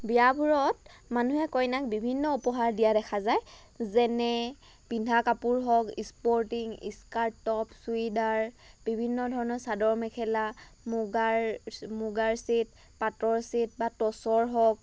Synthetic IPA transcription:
bijabuɹɔt | manuɦɛkɔjnakbibʱinːɔupɔɦaɹdijadɛkʰazaj | zɛnɛ | b̥indʱakapuɹɦɔkispɔɹtiŋḭskaɹtːɔpsuidaɹ | b̥ibʱinːɔdʱɔɹɔnɔɹsadɔɹmɛkʰɛlamuɡaɹmuɡaɹsit̚ | patɔɹsit̚batɔsɔɹɦɔk̚

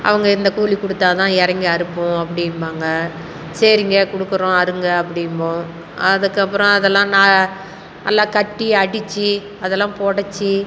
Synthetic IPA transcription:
ʔɐ̰ʋɐŋɡɐɪnd̪ɐkuːlikʊɽɯt̪ːaːt̪ãːɛɾɐŋɡɐɐɾɯpːʊ̃ɐpːɐɽɪnbaːŋɡɐ | sɐɾɪŋɡɐkʊɽɯkːɯɾõɐɾɯŋɡɐːpːɐɽɪmbõ | ɐðɯkːɐpːɯɾɔ̃ɐðɛlːãːnaː | nɐ̰lːãːkɐʈːiɐɽɪt͡ʃːɯ | ɐðɛlːãːpoːɽɐt͡ʃːɯ

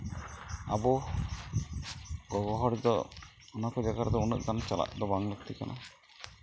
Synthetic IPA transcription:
a̰bɔ | ɡɔɡɔɦɔɽid̪ɔ̰ | ɔnakɔd͡ʒaɡaɾd̪ɔunəʔɡant͡ʃala̰ʔd̪ɔbaŋlək̚t̪ʰika̰nʔa̰

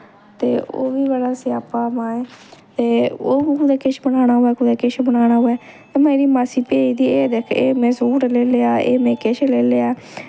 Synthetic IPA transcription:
t̪eːo̰ːʋiːʋalaːseːaːpːaːmãːeːt̪eːoːbiːkʊd̪aːkɪʃbənaːɽ̃aːɦoɛːkʊd̪eːkɪʃbəɽ̃aːɽ̃aːɦoːɛː | emeːɾiːmaːsiːpeːiːd̪iːeːd̪eːkʰeːmɛ̃ːsuːɾleːleːaːḛːmɛ̃ːkeːʃleːleːaː

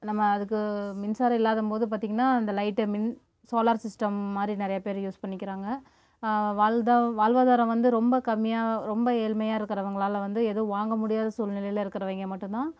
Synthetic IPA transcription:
nɐmːɐːðɯkːɯmɪnsaːɾɐɪlːaːðɯmpoːðɯpaːɾt̪iːŋɡɐnːaːɐnd̪ɐlɐɪʈːɯmɪn | soːlaːɾsɪsʈɐmːaːd̪ɾinɪɾɐjɐpeːɾjuːspɐɳːɪkːɪɾaːŋɡɐ | ʋaːd̪aʋaːlʋaːðaːɾɐ̃ʋɐnd̪ɯɾɔmbɐkɐmːɪjaːɾɔmbɐeːlmɐjaːɪɾɯkːɐɾɐʋɐŋɡɐɭaːlɐʋɐnd̪ɯɛðɯʋaːŋɡɐmʊɽɪjaːðɐsuːlnɪlɐjɪlɐɪɾɯkːɪɾɐʋeːŋɡɐmɐʈːɯnt̪ãː

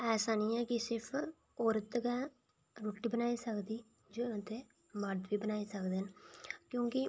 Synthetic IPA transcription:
ɛːsaːnijãːkɪsɪɾpʰ | ɔːɾət̪kɛ̃ː | ɾuːʈiːbənaːisəkd̪iː | d͡ʒoːət̪eː | məɾd̪ʋiːbənaːiːsəkd̪eːnkjõːkɪ

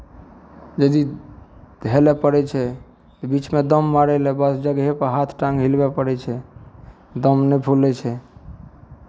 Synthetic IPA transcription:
d͡ʒəd̪i | d̪ʱelɛpəɾɛt͡ʃʰɛ | t̪bit͡ʃmed̪əmːaɾɛlebəsd͡ʒəɡɦepəɾɦat̪ʰʈãŋɡɦilbɛpəɾɛt͡ʃʰɛ | d̪əmnɛpʰulɛt͡ʃʰɛ

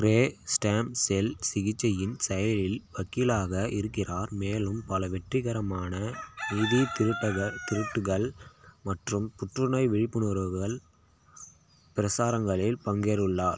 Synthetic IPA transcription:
ɾeːsʈaːmsɛlsɪɣɪt͡ʃːɐjɪnsɐjɐlɪlʋɐkːɪlaːɣɐʔɪɾɯkːɪraːɾmeːlɯmpɐlɐʋɛʈrɪɣɐɾɐmaːnɐniðit̪ʈːɐɐt̪ɪɾɯʈːɯɣɐɭmɐʈrɯmpʊʈrɯnɐɪʋɪɻɪpːɯnɔɾɣɐɭ | pɪɾɐsaːɾɐŋɡɐɭɪlpɐŋɡeːɾɯɭːaːɾ

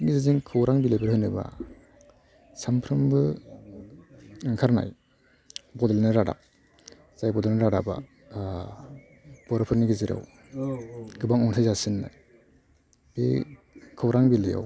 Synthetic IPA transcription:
nizaziŋkʰɯwɾaŋbilajbɯɾhɯjnɯba̰ | sampʰɾɯmbɯ | ŋkʰaɾna̰j | bɔdelnɯɾada̰p̚ | z̥ajbɔdelnaɾaɾaba̰ | b̥ɔɾapʰɯɾniɡiziɾa̰w | ɡ̥ɯbaŋɔŋtʰajzasɯnːa̰j | be | kʰɯwɾaŋbileja̰w

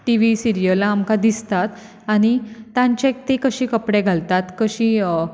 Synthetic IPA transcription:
ʈiʋisiɾijəlaːmkad̪ist̪at̪ | aɽ̃it̪ãɲt͡ɕek̚t̪ikəɕiːkəpɽeɡʱalt̪at̪kəɕiː

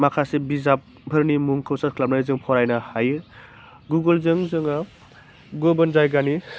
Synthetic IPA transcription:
makʰasebizap̚ | bʱəɾnimuŋkʰawsat̚kʰlap̚nazɯŋpʰɔɾajnahajɯ | ɡuɡəlzɯŋzɯŋa | ɡɔbənzajɡani

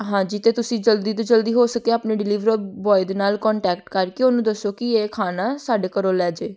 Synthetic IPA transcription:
ɦãːd͡ʒɪt̪eːt̪ʊsĩːd͡ʒəld̪iːt̪̬õːd͡ʒəld̪iːɦoːsəkeːaːpneːɖɪliːʋɾəbɔːɪd̪naːlkɔːɳʈɛːkʈkəɾkioːnũːd̪əsːoːkɪeːkʰaːnaːsaːɖeːkəɾoːlɛːd͡ʒeː

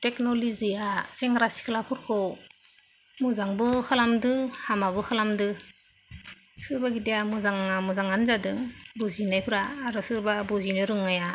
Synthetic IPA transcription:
teknɔliziaseŋɾasi̥kʰlapʰuɾkʰɔw | muzaŋbɯkʰalamdɯhamaβɯkʰalamdɯ | sɯɾbaɡidejamɯzaŋamɯzaŋanzadɯŋbuzinajpʰɯɾaːɾɔsɯɾbabuzinɯɾɯŋaja

